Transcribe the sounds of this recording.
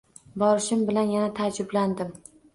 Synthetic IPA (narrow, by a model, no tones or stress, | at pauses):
bɒɾɪʃɪmbɪlanjanat̪ʰaːd͡ʒɪbland̪ɪm